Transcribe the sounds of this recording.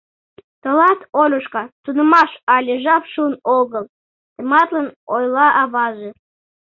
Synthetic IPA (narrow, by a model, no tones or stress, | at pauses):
t̪ə̆lɑt̪olʲuʃkɑt̪unə̆mɑʃɑlʲeʒɑpʃunoɣəlˠ | t̪ə̆mɑt̪lənojlɑʔɑβɑʒĕ